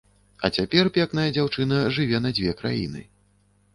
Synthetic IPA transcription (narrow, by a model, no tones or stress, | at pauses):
ɐ̰t͡sʲapʲɛrpʲɛkn̪ɐjɐd͡zʲawt͡ʂɨnɐʐɨvʲɛnɐd͡zʲvʲɛkɾa̰jḭnɨ̰